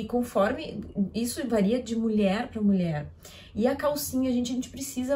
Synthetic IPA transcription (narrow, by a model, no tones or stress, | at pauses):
ɪkõfɔɾmɪisʊvaɾiɐd͡ʒɪmuʎɛɾpɾɐmuʎɛɾ | ɪɐkawsĩɲɐʒẽnt͡ʃɪẽt͡ʃɪ̥pɾesizɐ